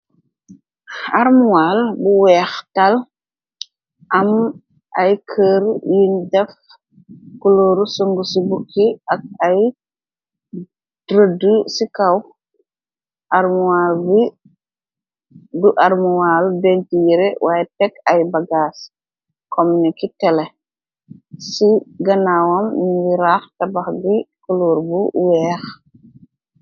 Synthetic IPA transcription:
aɾmuwalbuwɛːxtal | ʔɐm | ʔɐjkʰəːɾjindɛf | kuloːɾusuŋɡusibukʰːiɐk̚ɐj | d̥ɾədusikaw | ʔaɾmuwalbi | duʔaɾmuwaːlbentiɾɛwʔajɛtɛkajbaɡaːs | kɔmnikitɛlɛ | siɡɐnawambiɾaxtabaxɡikuluːɾbuwɛːx

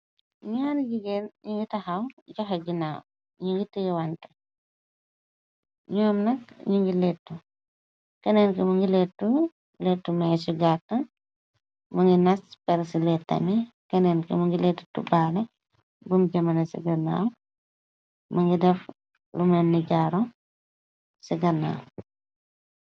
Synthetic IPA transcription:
ɲuaniɡiɡɛnɲuŋɡitɐxɐwɟɔxɐɡinaw | ɲuŋɡitːujɛwantɐ̥ | ɲɔːmnɐkɲuŋɡilɛtːu | kɐnɛnkɛmuŋɡilɛtːu | lɛtːumasuɡatːɐ | mɐŋɡinɐspɛɾsilɛtːɐ̰mikɐnɛnkɛ̰muŋɡilɛtːu̥tṵbaːlɛ | bumɟɐmɐnɐsḭɡɐna̰ːw | mɐŋɡidɛf | lumɐnniɟaːɾɔ | siɡɐna̰w

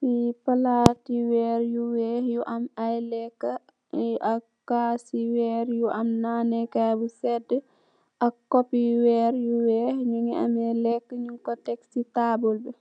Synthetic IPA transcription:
sipalatiwɛːɾjuwɛːhjuʔamajlɛkːə | ɛʔa | kasiwɛːɾjuʔamnanɛkabusɛdə | ʔakːɔpːiwɛːɾjuwɛhɲuŋɛa̰mɛlɛkːəɲuŋkɔtɛksitaːbɔlbɛ

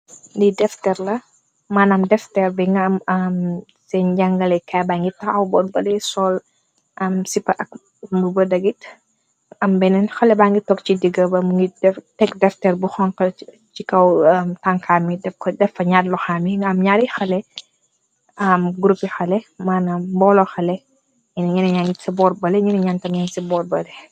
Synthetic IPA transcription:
ndidɛftɛrlɐ | maːnɐmdɛftɛrbiŋɡɐɐmɐm | sɛnɟɐŋɡɐlɛkajbaːŋɡitɐɐwbɔnbɐlɛsɔl | ʔɐmsipɐʔɐk̚ | mbubɐdɐɡit | ɐmbɛnɛnxɐlɛbaŋɡitɔk̚cidiɡɐbɐmɡidɛtɛkdɛftɛrbuxɔŋkɐ | t͡ʃikɐwɐmtaŋkʰamidɛfkɔdɛfɐɲaːdlɔxaːmiɐmɲaːɾixɐlɛ | ɐmɡuɾupixɐlɛmaːnɐmbɔːlɔxɐlɛ | ɛnɐɲinɐɲaŋɡitsibɔːɾbɐlɛɲinɐɲantɐmɲansibɔːɾbɐlɛ

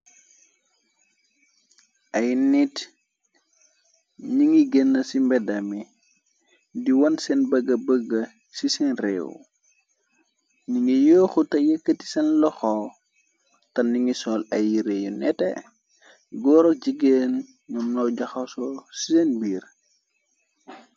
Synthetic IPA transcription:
ʔɐjnit | ɲiŋiɡɛnːɐsimbɛdɐmi | diwɐnsɛnbɐɡːɐbəɡːə | sisɛnrɛ̰ːwṵ | ɲiŋijoːxutɐjekːəti̥sɛnlɔxɔ | tɐniŋisɔːlɐjːiɾejunɛ̰tɛ̰ | ɡɔːɾɔɟiɡen | ɲumnɔwɟɐxɐsɔsisɛnbiːr

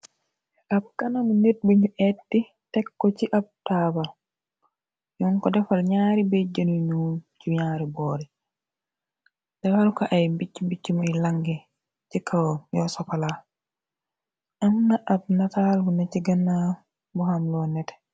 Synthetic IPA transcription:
ʔab̚kanaminet̚biɲuʔɛtːi | tɛkːɔt͡ʃiʔab̚taba | jɔŋkɔdɛfalɲaɾibed͡ʒanunud͡ʒuɲaːɾibɔːɾɛ | d̥ɛfalukaʔajmbit͡ʃːimbit͡ʃːimɔilaŋɡɛ | t͡ʃikʰawjɔsɔkala | ʔamnaʔab̚natalɡunɛt͡ʃiɡanːa | bɔhamlɔnɛtɛ̥

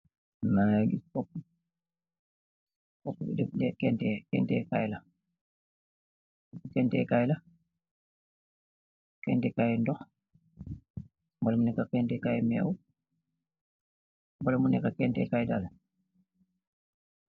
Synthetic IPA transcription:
najaɡifɔpː | fɔpːubḭdɛdɛkɛntɛkɛ̰ntɛka̰jla | ɔukɛntɛ̰kajla | kɛntɛkajɛndɔx | mbɔlɛmunɛkːakɛntɛkajɛmɛ̰w | mbɔlɛmunɛkːakɛntɛ̰kajdal

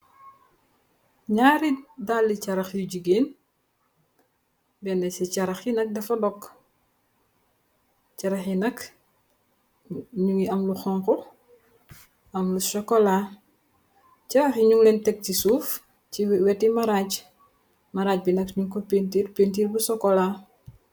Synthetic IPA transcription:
ɲaːɾidalːit͡ʃɐɾɐxjuɟiɡeːn | bɛnɛsit͡ʃɐɾɐxjinɐk̚dɐfɐdɔk | cɐɾɐxjinɐk | ɲuŋiɐmluxɔŋkɔ | ɐmlusɔkɔlaː | cɐɾɐxjiɲuŋlɛntɛk̚cisuːf | ciwwɛtːimɐɾaːc | mɐɾaːc̚binɐkɲuŋkɔpentiːɾpentiːrbusɔkːɔlaː

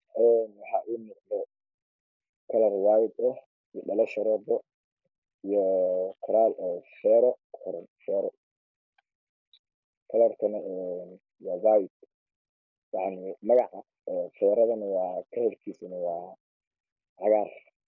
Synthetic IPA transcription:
ʔɛːnwɑħɑːʔuːmɔdlɔ | kʰɐlɐrwaːjɪd̪ɐ | ijɔɗɐlɐʃɐɾɔːb̪ɔ | ijɔkʰʊɾaːlʔɔːfɛːɾɔʊɾɐnfɛːɾɔ | kʰɐlɐrkʰɐnɐʔɛn | wɑːwaːjɪd̪̚ | jɑʕnɪmɐɣɑʕɑ | ɔːfɛːɾɐðɐnɐwɑːkʰɐlɐrkʰiːsɪnɐwɑː | ʕɑɣaːr

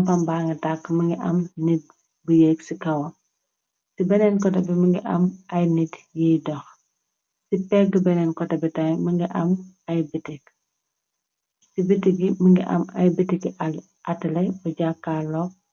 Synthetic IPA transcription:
mpɐmbaŋɡɐtakːməŋɡiʔɐmnit̚ | bujeksikɐwɐ | sibɛnɛnkɔtɛbiməŋɡḭʔɐmʔɐjnitjidɔx | sipɛɡibɛnɛnkɔtɐbitɐjməŋɡiʔɐmɐjbitik | sibitiɡiməŋɡiʔɐ̰mɐ̰jbitiɡia | ɐtɐlɐbuɟakːaːlɔk̚

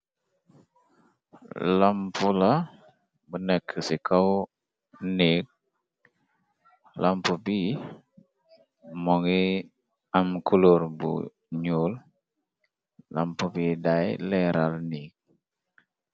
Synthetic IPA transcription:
lampula | bənəkʰːəsikaw | nik̚ | lampubi | mɔŋi | amkʰuluɾbṵ | ɲul | la̰mpubidajleɾalnik̚

